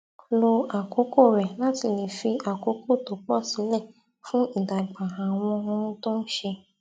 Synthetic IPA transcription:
lo˧a˨ko˨˦ko˦˨ɾɛ˨la˨˦ti˧˨le˨fi˧a˨ko˨˦ko˦˨to˨˦k͡pɔ˦˨si˨˦lɛ˦˨ | fũ˦i˦˨da˨ɡ͡ba˨a˨w̃ɔ̃˧ɔ̃˧n̩˦to˦n̩˦ʃe˧

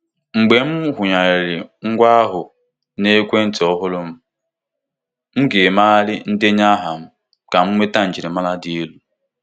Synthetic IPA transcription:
ŋ͡m̩˨ɡ͡be˨m̩˦ɦʷʊ˨ɲa˨ɾe˨ɾɪ˨ŋ̩˦ɡʷa˦a˦ɦʊ˨ | ne˦kʷe˦n̩˨tɪ˨ɔ˦ɦʊ˦lʊ˦m̩˦ | m̩˦ɡe˨ma˦lɪ˦n̩˦dɪ˦ɲa˦ɦa˨m̩˦ | ka˨m̩˦mʷe˦ta˦n̩˨d͡ʒi˨ɾe˨ma˦la˦di˦e˦lu˦

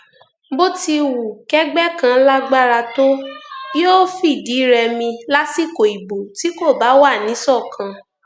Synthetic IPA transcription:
bo˦ti˧wu˨kɛ˦ɡ͡bɛ˦kã˧la˦ɡ͡ba˦ɾa˧to˦jo˦fi˦˨di˨˦ɾɛ˧mĩ˧la˦si˦˨ko˨i˨bo˨ti˨˦ko˦˨ba˨˦wa˦˨nĩ˨˦sɔ˦˨kʰã˧

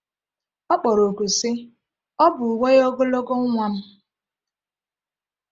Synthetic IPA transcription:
ɔ˦k͡pɔ˨ɾo˨ku˨sɪ˦ | ɔ˦bʊ˨we˦jɔ˦ɡʊ˦lo˦ɡɔ˦ŋʷa˨n̩˦

